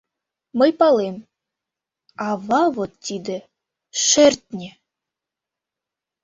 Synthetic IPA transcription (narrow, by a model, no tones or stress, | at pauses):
mɤ̆jpɑlˠem | ɑvɑvot̪ːid̪ɘ̆ | ʃerʲt̪̚ʲnʲĕ